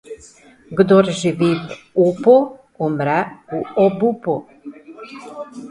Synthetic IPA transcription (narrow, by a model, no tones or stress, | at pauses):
ɡd̪oɾʒiʋiv | upo | umɾɛuobupu